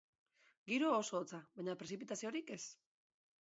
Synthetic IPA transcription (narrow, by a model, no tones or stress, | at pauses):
ɡiɾoːso̞ːt͡saβaɲapɾe̞s̬ipit̪asio̞ɾike̞s